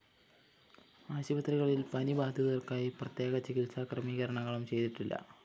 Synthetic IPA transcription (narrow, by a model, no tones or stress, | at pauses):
aːɕibɐt̪riɣɐɭilpɐnibaːd̪ʱjɐðɐrkaːjiprɐt̪je̞ːɣɐt͡ɕikilsaːkrɐmiːɣɐɾɐɳɐŋːɐɭumt͡ɕe̞jt̪iʈːilːɐ̰